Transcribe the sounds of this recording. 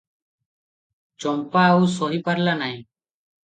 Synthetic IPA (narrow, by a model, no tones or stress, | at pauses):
t͡ʃɔmpausɔɦiːpaɾlanaj̃